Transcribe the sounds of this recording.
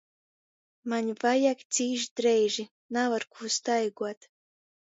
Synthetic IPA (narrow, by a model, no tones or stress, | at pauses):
maɲʲvajakt̪sʲiːʒd̪ɾɛjʒi | navaɾkuːst̪ajɡuɔt̪